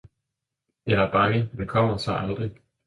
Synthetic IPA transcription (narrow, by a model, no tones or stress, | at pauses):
jɑæɐb̥ɑ̈ŋədekʰɒm̰ɐsɑ̈ɪʔɑld̥ʁi